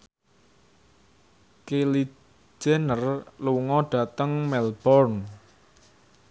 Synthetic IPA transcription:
keli | d͡ʒ̥ɛnərluŋɔɖ̥ä̤t̪əŋmɛlb̥ɔrn

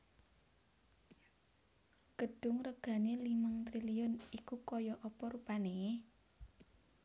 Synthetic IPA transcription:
ɡ̥əɖ̥ʊŋrəɡ̥ä̤neliməŋt̪ɾiliʊnikukɔjɔʔɔpɔɾupane

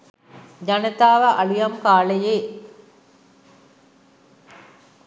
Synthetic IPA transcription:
d͡ʑɐnɐt̪aːʋɐʔɐɭujɐmkaːɭɐjeː

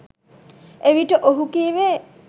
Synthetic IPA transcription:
eʋiʈəʔoɦukiːʋe

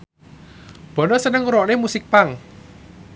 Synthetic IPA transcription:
b̥ɔ̤nɔsənəŋuɾɔʔnemusɪk̚paŋ

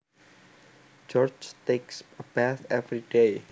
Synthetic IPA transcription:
d͡ʒɔd͡ʒt̪eksəbæθɛvɹide

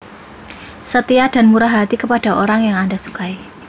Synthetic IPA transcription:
sət̪iad̥a̤nmuɾaɦat̪ikəpad̥a̤ʔoɾaŋjaŋandasu̥kai

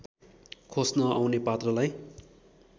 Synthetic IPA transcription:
kʰosnʌawnepat̪rʌlaj

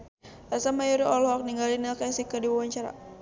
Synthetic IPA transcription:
ɛsamajɔɾiɔlhɔk̚niŋɡalinakasikədiwawaɲt͡ʃaɾa̰

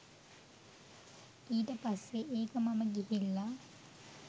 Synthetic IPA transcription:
iːdepɐseʔeːkɐmɐmɐɡiɦilːɐ

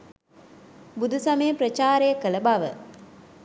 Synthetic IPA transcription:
bud̪usɐmeːpɾət͡ʃaːɾejəkələbɐʋə̰

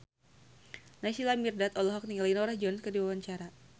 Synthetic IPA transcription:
nasilamirdat̪ɔlɔɦɔk̚niŋalainɔɾahd͡ʒɔnkərdiwawaɲt͡ʃaɾa

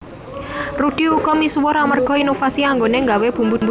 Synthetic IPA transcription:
ruɖ̥iukɔmiswɔɾamərɡ̥ɔinofasiaŋɡoneŋɡaweb̥ṳmbumb

